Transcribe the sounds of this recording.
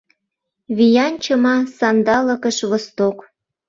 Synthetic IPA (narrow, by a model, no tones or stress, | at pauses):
βijɑnʲt͡ɕəmɑsɑnd̪ɑlə̆kəʃβost̪ok